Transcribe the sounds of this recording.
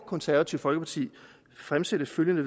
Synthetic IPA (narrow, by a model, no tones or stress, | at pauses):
kʰɒ̽nsæɐʋæt͡sʰiʊfɒ̽lɡ̥əpʰɑ̈t͡sʰḭː | fʁamsed̥əføljənəʋ